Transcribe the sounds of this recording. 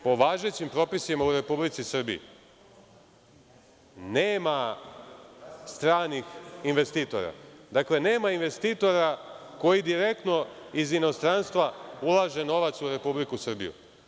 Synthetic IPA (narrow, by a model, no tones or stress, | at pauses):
po̞ʋaːʒe̞t͡ɕimpɾo̞pisimauɾe̞publit̪sisr̩bḭḭ | neːma | st̪ɾaːnixinʋe̞st̪iːt̪o̞̰ɾa̰d̪akle̞ne̞ːmainʋe̞st̪it̪o̞ɾako̞jid̪iɾe̞k̚t̪no̞izino̞st̪ɾanst̪ʋaulˠaʒe̞no̞ʋat̪suɾe̞publikusr̩bḭjṵ